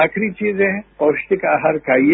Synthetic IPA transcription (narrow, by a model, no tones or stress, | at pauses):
aːkʰɾit͡ʃiːzẽɔːʃʈ̪ɪkaːɦaɾkaːi